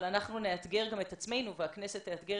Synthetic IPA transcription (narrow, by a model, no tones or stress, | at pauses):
lanaχnuneat̪ɡe̞ʁɡame̞t̪at͡sme̞jnuveakneset̪neat̪ɡe